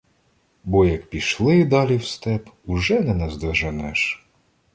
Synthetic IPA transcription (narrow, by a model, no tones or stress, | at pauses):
bɔjɐk̚pʲiʃlˠɪd̪ɑlʲiwst̪ɛpʊʒɛnɛnɛzd̪ɐʒɐnɛʃ